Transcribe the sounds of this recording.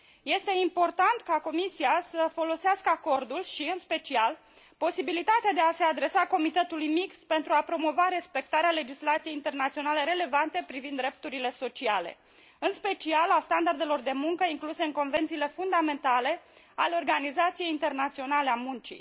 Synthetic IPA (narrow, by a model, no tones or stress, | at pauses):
je̞st̪e̞impo̞rt̪ant̪kako̞misiasəfo̞lo̞seaskəako̞rd̪ulʃiɨnspe̞t͡ʃial | po̞sibilit̪at̪ead̪e̞ase̞ad̪ɾe̞sako̞mit̪e̞t̪ulujmikst̪̚pe̞nt̪ɾuapɾo̞mo̞vaɾe̞spe̞k̚t̪aɾeale̞d͡ʒislat̪sije̞jint̪e̞rnat̪sio̞nale̞ɾe̞le̞vant̪e̞pɾivind̪ːɾe̞p̚t̪uɾile̞so̞t͡ʃiale̞̰ | ɨnspe̞t͡ʃialast̪and̪ard̪e̞lo̞rd̪e̞muŋkəiŋkluseɨŋko̞nve̞nt̪sile̞fund̪ame̞nt̪ale̞ | aleo̞rɡanizat̪sije̞jint̪e̞rnat̪sio̞nale̞amunt͡ʃḭj